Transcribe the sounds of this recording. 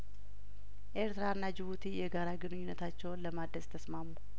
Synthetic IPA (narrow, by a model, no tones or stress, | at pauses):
ʔe̞ɾt̪ɾaɨnːad͡ʒɪβut̪ʰijɛɡaɾaɡɨnɨɲːɪnːət̪ʰat͡ʃːɛwnləmad̪əzt̪ʰəsmamːu